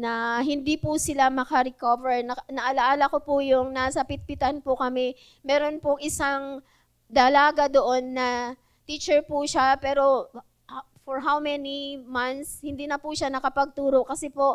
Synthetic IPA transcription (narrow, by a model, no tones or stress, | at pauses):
nɐɦɪnd̪ipʊsɪlamɐkɐɾɛkovɛɹnɐnɐʔɐlɐʔaːlɐko̞pʊjʊŋnasɐpɪt̪̚pɪt̪ɐnpʊkɐmɛ | mɛːɾo̞npʊŋʔɪsaŋ | d̪ɐlaːɡɐd̪oʔo̞nːɐ | t̪it͡ʃɛɹpʊʃapɛːɾo̞ | foɹɦawmɛnimant̪shɪnd̪iːnɐpʊʃanɐkɐpɐɡ̚t̪uːɾo̞kɐsɛpo̞